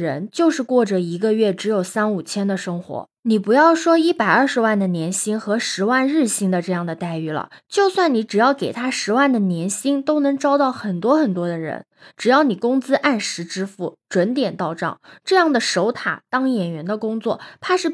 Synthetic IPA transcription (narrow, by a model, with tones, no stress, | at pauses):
ɻə̰˧˥nt͡ɕjo˥˧ʊʂɻ̩˥˧kwɔ˥˩ʈ͡ʂə˩i˧˥ɡə˧ɥɛ˥˩ʈ͡ʂɻ̩˧˥jo˨˩ʊsa˥nu˨˩t͡ɕʰjɛ˥nd̪ə˨ʂɤ˥ŋxwɔ̰˧˥ | ni˨˩pu˧˥jɑ˥˩ʊʂwɔ˥i˥˩pa˨˩ɪɐ˞˥˩ʂɻ̩˧˥wa˥˩nd̪ə˩njɛ˧˥nɕi˥ŋxɤ˧˥ʂɻ̩˧˥wa˥˧nɻɻ̩˥˩ɕi˥ŋd̪ə˨˧ʈ͡ʂɤ˥˧jɑ˥˩ŋd̪ə˩t̪a˥˩ɪy˥˩lə̰˩t͡ɕjo˥˧ʊswa˥˩nni˧˥ʈ͡ʂɻ̩˨˩jɑ˥˩ʊke˨˩ɪt̪ʰa˥ʂɻ̩˧˥wa˥˩nd̪ə˩njɛ˧˥nɕi˥ŋt̪o˥ʊnɤ˧˥ŋʈ͡ʂɑ˥ʊt̪ɑ˥˩ʊxə˨˩nt̪wɔ˥xə˨˩nt̪wɔ˥d̪ə˧ɻə̰˧˥n | ʈ͡ʂɻ̩˨˩jɑ˥˩ʊni˨˩kʊ˥ŋt͡sɹ̩˥ʔa˥˩nʂɻ̩˧˥ʈ͡ʂɻ̩˥fu˥˩ʈ͡ʂwə˧˥nt̪jɛ˨˩nt̪ɑ˥˧ʊʈ͡ʂɑ̰˥˩ŋʈ͡ʂɤ˥˧jɑ˥˩ŋd̪ə˩ʂo˧˥ʊt̪ʰa̰˨˩˦t̪ɑ˥ŋjɛ˨˩nɥɛ˧˥nd̪ə˧kʊ˥ŋt͡swɔ̰˥˩t̪ʰa˥ʂɻ̩˥˩